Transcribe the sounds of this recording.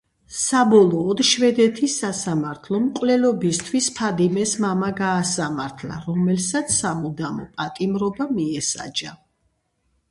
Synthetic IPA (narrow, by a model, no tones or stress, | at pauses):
sabɔlˠɔːd̪ʃvɛd̪ɛt̪ʰisasamaɾt̪ʰlˠɔmkʼwlɛlɔbist̪ʰwispʰad̪imɛsmamaɡaːsamaɾt̪ʰla̰ɾɔmɛlsat̪sʰsːamud̪amɔ̰pʼat̪ʼimɾɔbamiɛsa̰d͡ʒa